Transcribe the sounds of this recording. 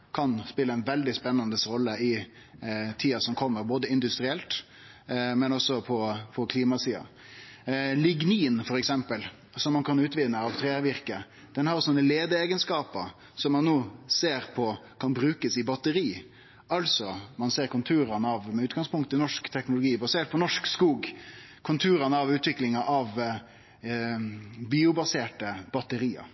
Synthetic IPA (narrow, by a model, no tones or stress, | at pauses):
kʰɑnspɪlːəɛnʋɛld̪ɪspɛnːɑnd̪əsɾɔlːəɪ | t̪ʰiːɑsɔmkʰɔmːəɾboːd̪əɪnd̪ʉst̪ɾɪɛlt̪ | mɛnɔsːɔpʰɔpʰɔkʰliːmɑsiːɑ̰ | lɪɡniːnfɔɾɛksɛmpəl | sɔmːɑnkʰɑnʉːt̪ʋɪnːəɑʋt̪ʰɾeːʋɪɾkə | d̪̥ɛnhɑɾsɔnːəleːd̪əeːɡənskɑːpəɾ | sɔmːɑnːoːseːɾpʰɔkʰɑnbɾʉːkəsɪbɑt̪əɾiː | ɑlsɔmɑnseːɾkʰʊnt̪ʰuːɾɑnəɑʋmɛʉːt̪̚ɡɑŋspʰʊŋkt̪ənɔʂkt̪ʰɛknʊlʊɡiːbɑseːʈ̚pʰɔnɔʂkskuːɡ | kʰʊnt̪ʰuːɾənəɑʋʉːt̪ʋɪklɪŋɑʔɑʋ | biːʊbɑseːʈəbɑt̪əɾiːə̰